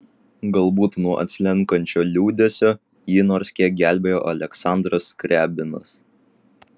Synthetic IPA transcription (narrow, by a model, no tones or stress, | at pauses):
ɡɐlˠbuːt̪nuɔʔɐ̰t̪ʲsʲlʲɛŋˑkɐnʲt͡ʃʲoːlʲuːd̪ʲesʲoː | jɪnɔːɾsʲkʲiɛk̚ɡʲæˑlʲbʲeːjo̰ːʔɐlʲɛksɑˑnd̪ɾɐskɾʲʔæːbʲɪnɐs